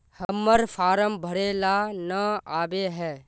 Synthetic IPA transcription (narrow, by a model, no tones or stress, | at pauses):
həmːəɾpʰaːɾəmbʱəɾelanəaːbeɦɛː